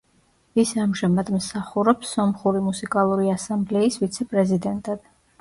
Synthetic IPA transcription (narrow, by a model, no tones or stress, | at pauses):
isamʒamad̪msaχuɾɔpsːɔmχuɾimusikʼalˠuɾiasamblɛisvit̪sʰɛpʼɾɛzid̪ɛnt̪ʼad̪̥